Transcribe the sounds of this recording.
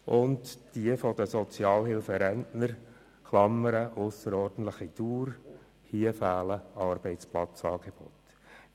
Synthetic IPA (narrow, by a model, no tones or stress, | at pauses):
ʔʊndd̥iəfɔd̥̪əsɔt͡sjɑːlhɪlfəɾɛntnəɾ | χlɑmːəɾəʔosəɾɔːrd̥ən̩t̪ləχituːɾ | hiəfæːləɑrb̥ɛɪtt͡splɑt͡sɑːɡ̥eb̥ɔ̰t